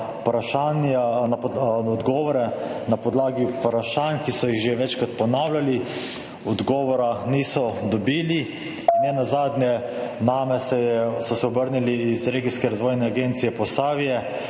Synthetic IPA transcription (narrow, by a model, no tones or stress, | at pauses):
pɾaʃananaɔd̪ɡɔːʋɔɾɛnapɔd̪laːɡipɾaʃankisɔjiɣʒeʋɛt͡ʃkɾat̪̚pɔnaːwlʲali | ɔd̪ɡɔːʋɔɾaniːsɔd̪ɔbiːli | nːɛnazaːd̪njɛ | naːmɛsɛsɔsɛɔbəɾniliːzɾeːɡiskɛɾazʋɔːjnɛaɡent̪sijɛpɔsaːʋijɛ